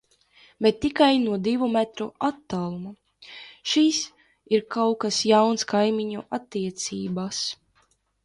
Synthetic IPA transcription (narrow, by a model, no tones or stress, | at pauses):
bɛt̪ːikajnuɔd̪ivumɛt̪ɾuat̪ːalˠumu | ʃiːs | iɾkawkasjawnskajmiɲuʔat̪ːiɛt̪sḭːbas